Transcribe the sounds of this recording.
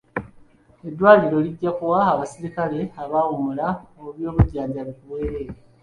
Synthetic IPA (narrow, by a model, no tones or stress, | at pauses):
e̞dːwaːliɾo̞liɟːakuwaːβasiɾikale̞aβawumulaouβjo̞ːβuɟːaːɲzaβikuβweːɾe̞ːɾa